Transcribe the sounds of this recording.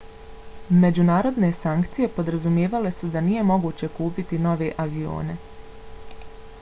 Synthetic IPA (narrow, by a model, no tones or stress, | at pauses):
me̞d͡ʑunaːɾo̞d̪ne̞saŋkt̪sije̞po̞d̪ɾazumje̞ːʋale̞sud̪anije̞mo̞ɡuːt͡ɕe̞kuːpit̪ino̞ʋe̞ʔaʋio̞̰ːne̞̰